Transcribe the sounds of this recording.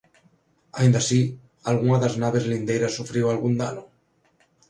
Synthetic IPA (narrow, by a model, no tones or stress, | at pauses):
aĩnd̪asi | alɣ̞uŋaðaznaβ̞e̞zlind̪ejɾasufɾiwalɣund̪ano